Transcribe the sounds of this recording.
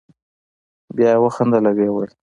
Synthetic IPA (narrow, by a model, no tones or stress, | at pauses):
bjɑjwəxand̪alaɡewəl